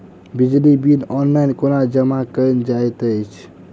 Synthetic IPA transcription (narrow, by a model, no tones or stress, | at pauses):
bid͡ʒlibinɔnlajnkonad͡ʒəmakəjnd͡ʒajt̪əjt͡ʃʰ